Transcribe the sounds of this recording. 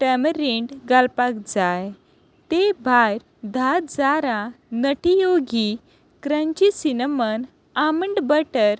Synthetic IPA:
ʈəməɾiɳɖɡalpakd͡zaj | t̪ebʱajɾ | d̪ʱat̪d͡zaɾãnəʈijoɡi | kɾə̃ɲt͡ɕisinəmən | aməɳɖbəʈəɾ

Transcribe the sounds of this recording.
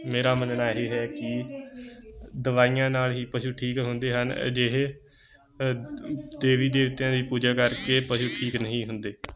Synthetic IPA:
meːɾaːmənnaːɦeːɦɛːkɪ | d̪əʋaːijãːnaːlɦiːpəʃuːʈʰiːkɦʊnd̪eːɦənd͡ʒeɦe | d̪eːʋiːd̪eːʋɪt̪jãːd̪iːpuːd͡ʒaːkəɾkeːpəʃuːʈʰiːknəɦĩːɦʊnd̪eː

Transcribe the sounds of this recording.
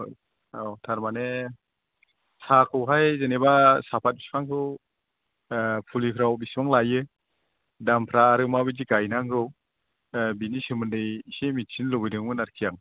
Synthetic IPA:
otʰaɾmane | sakʰɯwɦajzenebasapʰat̚bisbaŋkʰɯw | pʰulikʰɾawbisbʰaŋlajɯ | dampʰɾaːɾɯmabɯd͡ʒiɡajnaŋɡɯw | binisɯmɯndɯjsemit̚t͡ʃʰinlɔbɯjdɯŋmɯnaɾkʰijaŋ

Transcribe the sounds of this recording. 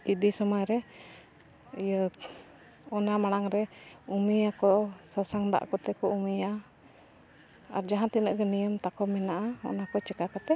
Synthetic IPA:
id̪isɔmɔjɾɛ | ijə | ɔnamaɽ̃aŋɾɛumiakɔsasaŋd̪a̰ʔkɔt̪ɛkɔumija | a̰ɾd͡ʒaɦant̪inəʔɡɛnijɔmt̪akɔmɛnaʔaɔ̰nakɔt͡ʃɛkakat̪ɛ

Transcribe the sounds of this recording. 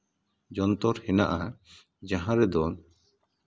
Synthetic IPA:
d͡ʒɔnt̪ɔɾhɛna̰ʔa | d͡ʒaɦãɾɛd̪ɔn

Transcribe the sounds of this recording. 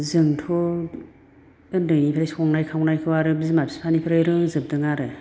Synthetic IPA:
zɯŋtʰɔ | ɯndɯnipʰiɾajskʰɔŋnajkʰawnajkʰɯwaɾɯbizɯmapʰi̥spʰanipʰiɾajɾɯŋzɯp̚dɯŋaɾɯ

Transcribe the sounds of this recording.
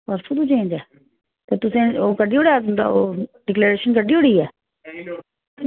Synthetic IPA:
pəɾsʊt̪ũːt͡ʃẽːd͡ʒɛː | t̪eːt̪ʊsẽːoːkəɖiːoːɽaːt̪ʊ̃nd̪a̰ːoːɖɪkleːɾeːʃənkəɖiːoɽiːɛː

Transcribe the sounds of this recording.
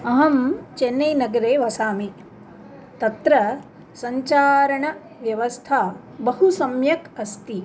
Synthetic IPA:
ɐɦɐmt͡ʃenːɐjnɐɡɐɾeːʋɐsaːmi | t̪ɐt̪ɾɐ | sɐɲt͡ʃaːɾɐɳɐ | ʋjɐʋɐst̪ʰaː | bɐɦusɐmjɐkɐst̪i

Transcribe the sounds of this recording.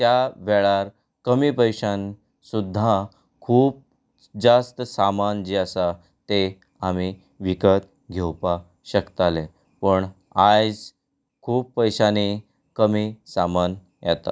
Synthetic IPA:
t̪jaʋɛɭaɾ | kəmipəjʂãn | sud̪ʱːa | kʰuːp̚ | d͡zast̪əsamand͡ʑeəsa | t̪e | ami | ʋikət̪ | ɡʱewpa | ɕəkt̪ale | pəɳ | ad͡z | kʰuːpːəjɕani | kəmisaman | jat̪a̰

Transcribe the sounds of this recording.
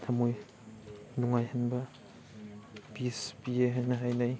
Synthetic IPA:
tʰamuj | nuŋajhanbɐ | bisbieɦajnaɦajnaj

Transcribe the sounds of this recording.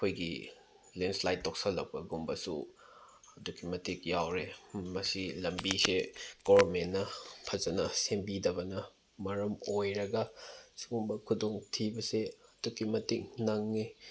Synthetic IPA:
kʰojɡḭ | lenslajttːok̚sɐlɐk̚pɐɡumbɐsṵ | ɐdukimɐtik̚jawɾemɐsilɐmbiseɡ̥omenːɐpʰɐzɐnɐsembidɐbɐnɐ | mɐɾɐmojɾɐɡɐsuɡumbɐkʰudoŋtʰibɐseɐd̥ukːimɐtik̚nɐŋːi

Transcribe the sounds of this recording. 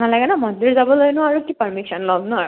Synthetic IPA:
nalaɡɛnamɔndiɹzabɔlojnʊaɹukipəɹmiksɔnlɔbnʊaɹ

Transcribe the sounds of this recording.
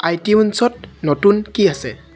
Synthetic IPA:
ajtiunsɔt̚notunkiasɛ̰

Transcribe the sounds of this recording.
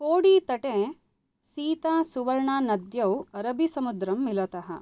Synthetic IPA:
koːɽit̪ɐʈẽ | siːt̪aːsuʋɐɾɳaːnɐd̪jɐwɐɾɐbisɐmud̪ɾɐmːilɐt̪ɐɦɐ̰

